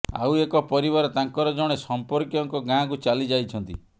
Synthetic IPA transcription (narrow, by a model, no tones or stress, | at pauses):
a̰wekɔpɔɾibaɾɔt̪aŋkɔɾɔd͡ʒɔɽ̃esɔmpɔɾkjɔŋkɔɡãkut͡ʃalid͡ʒajt͡ʃʰɔnt̪ḭ